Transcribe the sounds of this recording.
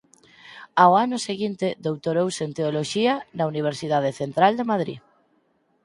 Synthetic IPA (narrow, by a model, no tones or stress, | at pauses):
aoanʊseɣint̪eðowt̪oɾowsent̪eoloʃianauniβ̞eɾsiðaðeθent̪ɾald̪emaðɾḭ